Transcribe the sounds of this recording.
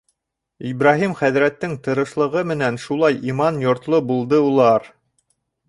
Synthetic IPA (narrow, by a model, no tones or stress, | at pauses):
ibɾɑɦimχæðɾæt̪ːɘŋt̪ɤ̆ɾɤ̆ʃlˠɤ̆ʁɤmɘ̆nænʃulˠɑjimɑnjŏɾt̪lˠobulˠd̪ɤulˠɑɾ